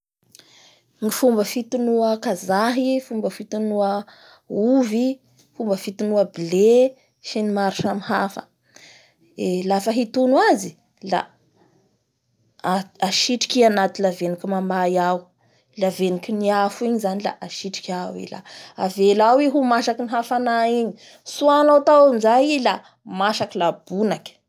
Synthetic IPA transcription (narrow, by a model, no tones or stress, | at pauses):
ŋifumbəfit̪unuəkazaɦifumbəfit̪unuə | uvi | fumbəfit̪unuəbile | ʃinimaɾiʃamihafə̰ | elafəɦit̪unuazi | la̰ | aʃiʈ͡ʂi̥kianat̪ilavenikʲimambajau | lavenikʲiniafuiɲizanila̰ʔaʃiʈ͡ʂi̥kʲawḭla̰avelawiɦumaʃakiniɦafanaiɲi | suanot̪awamizajila | maʃakilab̥unakʲi̥